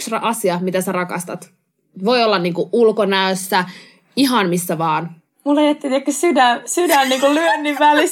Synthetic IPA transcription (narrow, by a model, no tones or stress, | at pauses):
ksrɑ̰ʔɑsiɑmit̪æsærɑkɑ̰st̪ɑt̪ | ʋo̞iolːɑnniːŋkuʔulkonæøsːæ | iɦɑnmisːæʋɑːn | mulːejet̪ːit̪iekːsydænsydænniːŋkullyønːiʋʋæli